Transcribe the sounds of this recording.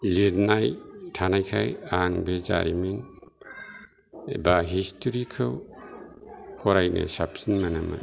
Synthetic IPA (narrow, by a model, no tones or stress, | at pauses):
leɾnajtʰanajkʰajaŋbeza̰ɾimin | baɦistʰuɾikʰɯw | kʰɔɾajnɯ̰sapsinmanama̰